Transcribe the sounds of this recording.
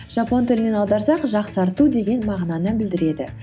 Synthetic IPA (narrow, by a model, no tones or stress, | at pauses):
ʒ̥ɑpo̞nt̪ʰɪlɪne̞nɑlˠd̪ɑɾsɑqʒɑqsɑɾt̪ud̪e̞ɡʲe̞nmɑʁnɑnəbɪld̪ɪɾe̞d̪ɪ̰